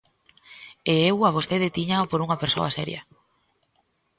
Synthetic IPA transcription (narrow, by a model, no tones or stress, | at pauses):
eewaβ̞osθeðɪt̪iɲapoɾuŋɐpeɾso̰asɛ̰ɾjɐ̰